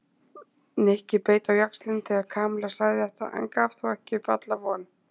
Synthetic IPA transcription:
nehcɪpeːjt̪awjakslɪnθɛɣaɾkʰaːmlasaːjðɪɛht̪a̰ʔa̰ŋkafθɔɣɛhcɪpat̪lavɔn

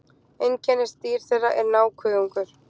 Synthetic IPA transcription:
ejncʰɛnɪst̪iːɾ̥θejraʔɛɾnaːwkʰvʏːðuŋkʏɾ̥

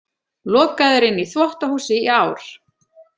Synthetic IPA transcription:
lɔːkaðʏɾɪnːiθvɔht̪ahuːsɪiaːwɾ̥

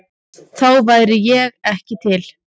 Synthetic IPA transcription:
θawvaːjɾɪjɛɣɛhcɪt̪ʰɪl

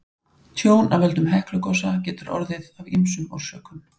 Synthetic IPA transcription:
t̪ʰjoːwnʔavɛlt̪ʏmɦɛhklʏkɔsacɛːt̪ʏɾɔ̰ɾðɪðavimsʏmɔ̰ɾ̥sœːkʏn

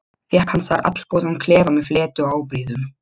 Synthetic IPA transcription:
θjɛhkhansaɾʔa̰t̪l̥powðankʰlɛːvamɛðflɛːt̪ʏɔɣaːwpɾiːðʏm

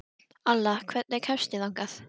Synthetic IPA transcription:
alːakʰvɛt̪̚nɛɾkʰɛfsc̪ɪlawŋkaθ

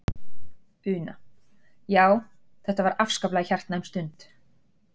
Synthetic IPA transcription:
ʏːna̰ | jaːw | θɛht̪avaɾafskaplaçar̥t̪najmst̪ʏnt̪

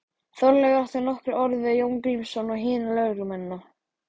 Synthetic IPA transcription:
θɔɾlɛɣaaht̪ʏɾnɔhkɾɪɾɔɾðvɪjowŋkɾimsɔnɔɣɦɪːnalœɥɾʏmɛnːa

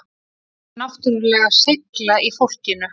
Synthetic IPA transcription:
naht̪ʏɾʏlɛːɣaseklaʔifowl̥cɪnʏ

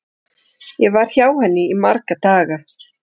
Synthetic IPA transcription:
jɛvaɾ̥çjaːwhɛnːɪimaɾkat̪aːɣa

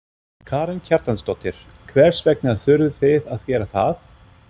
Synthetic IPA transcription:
kʰaːɾɛncʰaɾt̪anst̪ɔt̪ːɪɾ̥ | kʰvɛɾ̥svɛknɪaðθʏɾvɪθeðaðcɛːɾaθaθ

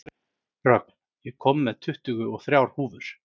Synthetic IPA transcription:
rœk̪̚ | jɛkʰɔmːɛðt̪ʰʏht̪ʏɣʏɔɣθɾjawɾ̥huːvʏɾ̥

